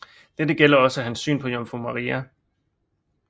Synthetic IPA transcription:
d̥ed̥əɡ̥el̰ɐɒ̽səæɦænsːy̰ːnpʰɒ̽jɒmfʁumɑʁiːæ

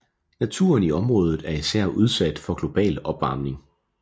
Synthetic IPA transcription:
næt͡sʰṵɐniɒ̽mʁɔ̽ːð̞ˠð̩ˠæɐisæɐ̰ʔuð̞ˠsæd̥fɒ̽ɡ̥lo̝b̥ɛ̰ːlɒ̽b̥ʋɑ̈ːmne̝ŋ

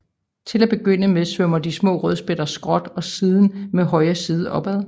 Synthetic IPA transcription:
t͡sʰe̝læb̥e̝ɡ̥øn̰əmesʋømɐd̥ismɔ̰ːʁœð̞ˠsb̥ed̥ɐsɡ̥ʁɒ̽d̥ɒ̽siːð̞ˠn̩meɦɒ̽ɪɐsiːð̞ˠəʔɒ̽b̥ɛðˠ

